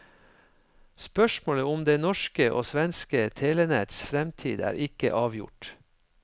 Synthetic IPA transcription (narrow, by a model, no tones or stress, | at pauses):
spœʃmoːləʊmd̪eːnɔʃkəʔo̰ːsʋɛnskət̪ʰeːlənɛt̪sfɾɛmt̪ʰḭːd̪æ̰ːɾʔɪkə̰ʔɑːʋjʊ̰ʈ